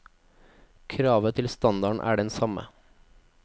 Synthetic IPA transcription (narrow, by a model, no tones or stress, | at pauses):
kʰɾɑːʋət̪ʰɪlst̪ɑnd̪ɑɳʔæ̰ːɖɛnsɑmə̰